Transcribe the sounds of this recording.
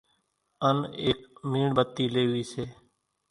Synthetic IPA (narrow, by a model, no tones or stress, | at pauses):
əneːk̚miːɳbət̪ːiːleːʋiːseː